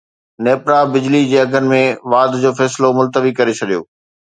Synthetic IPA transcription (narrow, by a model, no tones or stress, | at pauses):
neːpɾabɪd͡ʑlid͡ʑeːɐɡʱənɪ̆mẽʋaːd̪ʱd͡ʑoːfɛːslomʊlt̪əʋikɐɾet͡ɕʰɐɗijo̰ː